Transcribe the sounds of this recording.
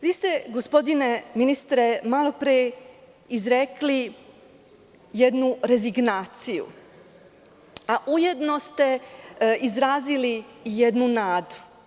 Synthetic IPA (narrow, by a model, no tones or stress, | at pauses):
ʋiːst̪e̞ɡo̞spo̞d̪ine̞minist̪ɾemalˠo̞pɾije | izɾekli | jed̪nuɾe̞ziɡnaːt̪sijṵ | aʔuje̞d̪no̞st̪e̞ | izɾaːziliːje̞d̪nunaːd̪u̥